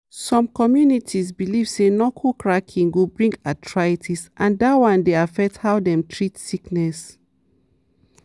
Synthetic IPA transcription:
sɔ̃mkɔmjunitʰizbiliv̥senɔkʰokɹakʰĩŋɡubɹĩŋɡatʰɹaitʰisʔãndatwãndeafɛk̚thaʊdɛ̃mtʰɹitsiknɛs

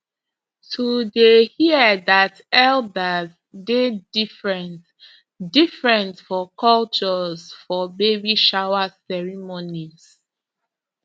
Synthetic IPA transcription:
tʰudehiədat | ɛldaz | dedifɹɛnt | difɹɛ̃ntfɔkɔlt͡ʃɔzfɔbebiʃawasɛɹimoniz

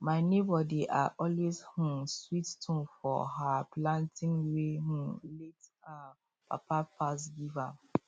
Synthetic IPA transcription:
mãɪnebɔdiʔaʔɔlweshũswittʰũnfɔ̰ɦaplãntʰɪ̃ŋweɦũleta | pʰa̰pʰapʰas̬ɡiva

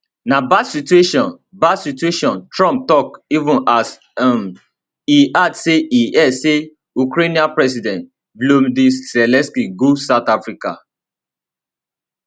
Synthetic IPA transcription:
nabatsitueʃɔ̃n | batsitueʃɔ̃ntɹɔ̃mp̚tɔkivũnas | am | iʔatseʔiɛse | ukɾenĩãnpɹɛs̬idɛ̃nt̚ | blomdisɛlɛ̃nskiɡosaʊtafɹika̰

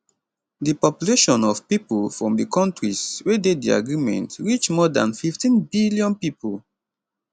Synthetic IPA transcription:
dipɔpjuleʃɔ̃nɔvpipulfɹɔ̃mdikɔ̃ntɹiswededia̰ɡɹimɛ̰̃ntɹit͡ʃmɔdã̰nfiftĩnbiljɔ̃npipol

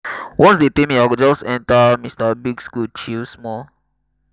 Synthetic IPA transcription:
wʔɔ̃nsdetẽmĩaɡd͡ʒɔsɛ̃ntamistabiɡskut͡ʃismɔ

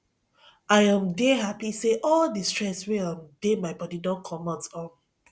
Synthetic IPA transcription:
aɪãmdeɦapiseʔɔldistɹɛsweãmdemaɪbɔdidɔ̃nkʰɔmɔtɔ̃n

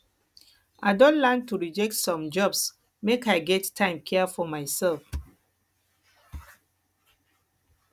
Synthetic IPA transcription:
ʔaɪdõnlɛntuɹid͡ʒɛk̚tsɔ̃md͡ʒɔbs | mekaɪɡɛttʰːãɪ̃mkʰɛfɔmaɪsɛlf

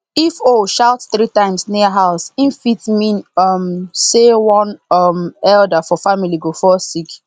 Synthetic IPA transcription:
ifoʃaʊtθɾitãɪ̃msniəɦaʊsĩnfitmĩnɔmsewɔ̃nɔmɛldafɔfamiliɡofɔsik

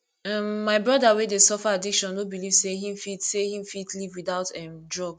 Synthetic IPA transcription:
ãmːaɪbɹɔdawedesɔfaadikʃɔ̃nobiliv̥seɦĩmfidsehĩmfitlivwiðaʊtɛmdɹɔɡ

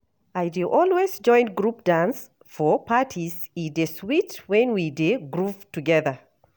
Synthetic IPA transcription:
ajduʔɔlˠwezd͡ʒɔ̃ɪ̃nɡɹup̚d̥ãns | fɔpatʰiz | ideswitwɛ̃nwideɡɹuv̥tuɡɛðə

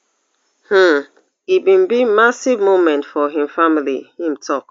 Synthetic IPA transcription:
h̩ | ibĩnbimasivmõmɛ̃ntfɔɦĩmfamilḭhĩmtʰɔk

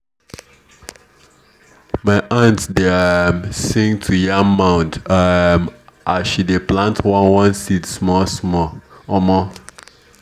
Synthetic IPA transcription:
maɪʔãntdemsɪ̃ŋtʰujãmãʊ̃ndmʔaʃideplãntʰwɔ̃nwɔ̃nsitsmɔsmɔmɔ

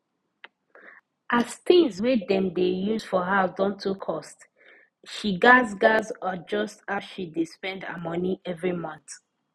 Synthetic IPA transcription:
ʔastĩŋzwedɛ̃mdejuzfɔɦadɔ̃ntʰukʰɔst | ʃiɡazɡazad͡ʒɔstaʃidispɛ̃nda̰mɔniʔɛvɹimɔ̃nθ

